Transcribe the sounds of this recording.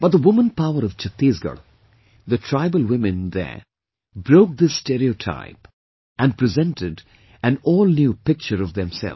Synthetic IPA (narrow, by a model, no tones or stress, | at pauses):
b̥ʌt̚d̪əwʊmə̃npaʊəɾʌv̥t͡ʃət̪iːzɡə̰ | ðətʰɹ̥aɪbəlˠwɪ̃mɨ̃nd̪ə̰ɹ | bɾoʊk̚d̪ɪsːtɛɾioʈʰa̰ɪp | ʔæ̃npɹizɛ̃ntʰɪɖ | æ̃nɔːlnjupɪk̚t͡ʃəɾʌvðɛ̃msɛ̰l